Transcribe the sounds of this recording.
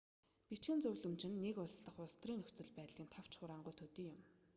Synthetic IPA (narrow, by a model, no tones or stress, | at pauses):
pit͡ɕxɘ̆nt͡sɵwɮɵ̆mt͡ɕɪ̆nːekʊɮsɮə̆χʊɮst̪riːŋɵxʲt͡sɵ̆ɮpæːt̪ɮĭːmt̪ʰaw̥t͡ɕχʊɾaːɴɢʊjt̪ʰɵt̪iːjʊm